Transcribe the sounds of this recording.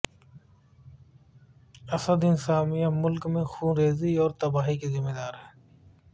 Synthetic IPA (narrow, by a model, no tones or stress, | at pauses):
ɐsəd̪ɪnsaːmijamʊlkmẽxũːɾeːziɔːɾt̪ɐbaːɦikezɪmːeːd̪aːɾɦɛː